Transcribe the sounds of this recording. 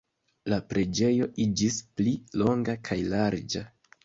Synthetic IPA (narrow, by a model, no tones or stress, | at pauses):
lapɾe̞d͡ʒe̞jo̞ʔid͡ʒisplilo̞ŋɡakʰajlaɾd͡ʒa